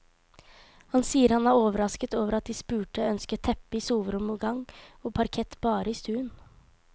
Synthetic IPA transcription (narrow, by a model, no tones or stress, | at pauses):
hɑnsiːəɾhɑnæːɾoːʋəɾɑskət̪oːʋəɾɑt̪̚d̪ɪspʉːʈəœnskət̪ʰɛpːɪsuːʋəɾɔmɡɑŋoːpʰɑɾkʰɛt̪ːbɑːɾəɪst̪ʉːən